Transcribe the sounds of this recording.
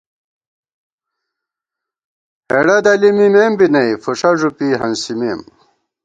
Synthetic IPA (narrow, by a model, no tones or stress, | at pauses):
heɽɐd̪ɐlimimeːmbinɐifuʂɐʐupiɦɐnsimim